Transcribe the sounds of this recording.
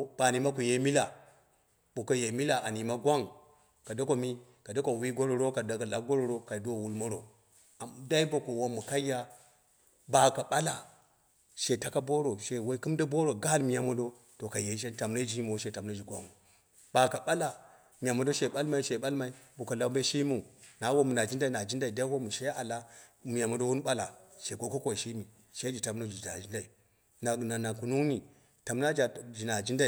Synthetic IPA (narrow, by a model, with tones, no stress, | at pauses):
b̥a˨ni˨ma˦ku˨je˦mi˦la˨ | ɓu˨ka˨je˨mi˦la˨ʔa˨ni˨ma˦ɡʷa˦ŋ | ka˨do˦ko˨mi˦ | ka˨do˦ko˨wi˦ɡo˦ɾo˨ɾo˦ka˨da˨ɡa˨la˨ɡo˦ɾo˨ɾo˦ka˨do˦˨wu˦lmo˦ɾo̰˨ | a˨m˨da˦i˦bo˨ko˨wo˦mːu˨ka˦ja˦ | ba˨ka˨ɓa˦la˨ | ʃe˨ta˨ka˦bo˦ɾo˨ʃe˨we˦i˦kɨ˦mda˦bo˦ɾo˨ɡa˦lmi˨ja˨mo˦do˦ | to˨ka˨je˨˦ʃ̬e˦ta˨mna˦d͡ʒi˦mu˨wo˦ʃe˨ta˨mna˦d͡ʒi˨ɡʷa̰˦mu˨ | b̥a˨ka˨ɓa˦la˨ | mi˨ja˨mo˨˦do˦ʃe˨ɓa˦lma˨i˦ʃe˨ɓa˦lma˨i˦bu˨ka˨la˨˦be˦ʃi˦mu˨na˨˦wo˦mu˨na˨d͡ʒi˦nda˦i˨a˨d͡ʒi˦nda˨i˨da˦wo˦mu˨ʃe˦a˨la˦mi˨ja˨mo˨do˦wu˦n˦ɓa˦la˨ʃe˨ɡo˦ko˦kʷo˦˨ʃi˦mi˨ | ʃe˦d͡ʒi˨ta˨mno˦d͡ʒi˨a̰˨d͡ʒi˦nda˨i˨ | na˨na˨na˨ku˨nu˦ŋni˨ | ta˨m˦na˦d͡ʒa˨d͡ʒi˨na˨d͡ʒi˦nda˦i˨